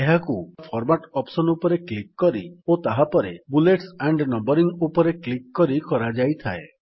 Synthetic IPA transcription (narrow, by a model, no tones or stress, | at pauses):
eɦakupʰɔɾmaʈɔpsɔnupɔɾeklikːɔɾḭot̪aɦapɔɾebuleʈsaɳɖnɔmbɔɾiŋupɔɾeklikːɔɾikɔɾad͡ʒajt̪ʰae